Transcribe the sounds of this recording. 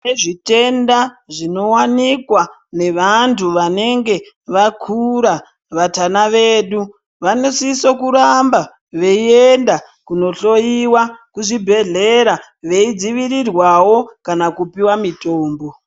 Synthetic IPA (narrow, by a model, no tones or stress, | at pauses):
neʐite̞ndaʐino̞wanikwa | ne̞ʋantʰuʋane̞ŋɡe̞ | ʋakʰuɾa | ʋatanaʋe̞ːɗu | ʋanosisokuɾamba | ʋe̞ienda | kuno̞ɬo̞jiwakuʐibʱe̞ɮe̞ɾa | ʋe̞id͡ziʋiɾirwawo̞kanakupiwamito̞ːmbo̞